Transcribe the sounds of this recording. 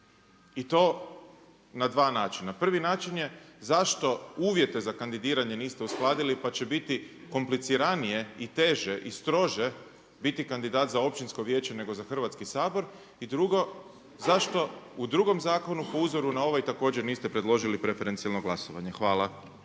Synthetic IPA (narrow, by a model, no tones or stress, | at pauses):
it̪o̞ː | nad̪ʋaːnaːt͡ʃinapr̩ʋinaːt͡ʃinje̞zaʃt̪o̞uːʋje̞t̪e̞zakand̪id̪iːɾaɲe̞niːst̪eusklˠaːd̪ilipat͡ɕe̞bit̪iko̞mplit̪siɾanije̞it̪e̞ʒe̞ʔist̪ɾo̞ʒe̞ | bit̪ikand̪id̪aːt̪zao̞p̚t͡ʃinsko̞ʋje̞ːt͡ɕe̞ne̞ɡo̞zaxr̩ʋat̪skisaːbo̞ɾ | id̪ɾuɡo̞ | zaʃt̪o̞ud̪ɾuɡo̞mzaːko̞nupo̞uzoɾunao̞ʋajt̪ako̞ːd͡ʑeɾniːst̪epɾe̞d̪lˠo̞ʒilipɾefeɾe̞nsialˠnoɡlˠasoʋa̰ɲe̞xʋaːlˠa